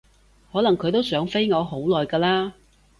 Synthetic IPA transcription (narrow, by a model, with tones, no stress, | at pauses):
hɔː˨˥lɐ˨˩ŋkʰɵ˨˧ɥt̪o˥wsœː˨˥ŋfe˥jŋɔː˨˧ɦo˨˥wlɔː˨jkaː˧laː˥